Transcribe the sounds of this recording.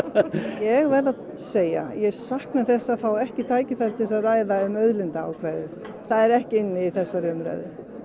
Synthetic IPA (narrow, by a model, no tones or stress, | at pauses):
jɛɣvɛðað | seːja̰jɛɣsahknaθɛsːafawɛhcɪt̪ʰaːjcɪfɛl̥t̪ɪs̬aðraːjðaʏmœðlɪnt̪aa̰wkʰvɛðʏ | θaðɛɾɛhcɪɪnːɪiθɛsːarjœmɾɛ̰ðɪ